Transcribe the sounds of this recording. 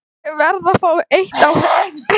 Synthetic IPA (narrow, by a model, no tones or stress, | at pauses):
vɛɾðafaːwʔejht̪awhɛ